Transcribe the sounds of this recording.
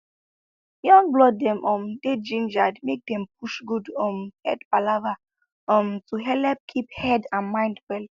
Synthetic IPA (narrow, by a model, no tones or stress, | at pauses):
jɔ̃nblɔd̚dɛ̃mʔɔ̃mded͡ʒĩnd͡ʒadmek̚dɛ̃mp̚uʃɡudɔ̃mhɛdbalava | ɔ̃mtuɦɛlɛp̚kʰiphɛdãnmãj̃ndwɛl